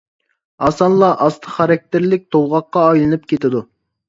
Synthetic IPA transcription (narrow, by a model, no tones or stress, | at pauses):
ɑsɑnlˠɑʔɑst̪ʰəχɑɾɑk̚ʲt̪ʰɪɾlɪk̚ʲt̪ʰowʁɑqːɑːjlˠɨnɨp̚kʲʰet̪ʰɪd̪u